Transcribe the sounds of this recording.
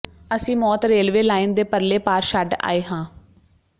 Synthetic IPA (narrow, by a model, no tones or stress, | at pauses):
əsĩːmɔːt̪ɾeːlʋeːlaːɪnd̪eːpəɾleːpaːɾʃaɖa̰ːeːɦãː